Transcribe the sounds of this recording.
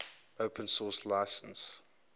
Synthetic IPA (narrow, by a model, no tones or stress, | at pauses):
əʊpʰə̃nsɔːslaɪsə̃ns